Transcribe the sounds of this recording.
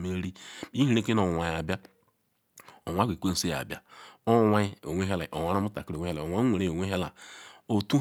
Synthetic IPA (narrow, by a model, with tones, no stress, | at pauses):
me˦ɾi˦i˦hi˨˦ɾe˦ki˦no˨wa˨ja˨bja˦ | o˨wʷa˦ɡʷe˨kʷe˦n̩˨se˦ja̰˨bja˦o˦wa˦o˨wʷe˦ɦe˦la˨ʔo˨wʷa˨ɾa˦mu˦ta̰˨ki˦ɾwe˦e˦la˨o˨wʷa˨˦wʷe˨ɾe˦˨o˨wʷe˦ɦe˦la˨o˨tu˦